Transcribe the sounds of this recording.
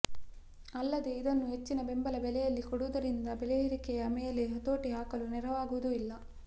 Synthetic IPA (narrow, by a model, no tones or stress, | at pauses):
ɐlːɐd̪eid̪ɐnːuɦet͡ʃːinɐbembɐlɐbɛlɛjɐlːikoɽuʋɐd̪ɐɾind̪ɐbelɛiɾikɛjɐmejɐleɦɐt̪o̞ːʈiɦaːkɐlunɛɾɐʋaːɡuʋɐd̪uilːɐ